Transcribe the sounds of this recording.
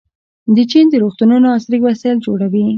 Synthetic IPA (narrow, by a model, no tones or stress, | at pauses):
d̪ət͡ʃind̪əɾoxt̪ununoɑsɾiɡwasɑjld͡ʒoɽawi